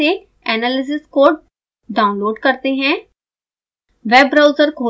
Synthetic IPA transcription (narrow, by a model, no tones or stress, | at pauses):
eː | ɛːnaːlɪs̬ɪskoːɖ | ɖaːʊnloːɖkəɾt̪eɦɛ̃ː | ʋɛːbɾaːʊzəɾkʰoː